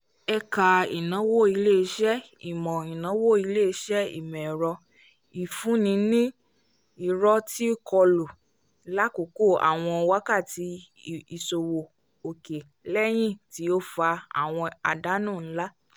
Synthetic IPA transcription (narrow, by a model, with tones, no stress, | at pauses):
ɛ˧ka˨ḭ˨nã˨˦wo˦˨i˧le˦˨i˧˦ʃɛ˦ | ḭ˨mɔ̃˨i˨nã˨˦wo˦˨i˧le˦i˧˦ʃɛ˦ḭ˨mɛ̃˨ɾɔ˧ | i˨fũ˨˦nĩ˧nĩ˦ | i˨ɾɔ˧ti˦kʰɔ˧lo˨˦ | la˦ko˨ko˦˨a̰˨w̃ɔ̃˧wa˦ka˦˨ti˧ | i˨so˨wo˨ | o˨ke˨ | lɛ˦j̃ĩ˦˨ti˨˦o˦fa˧a̰˨w̃ɔ̃˧a̰˨da˨˦nũ˦˨n̩˦la˦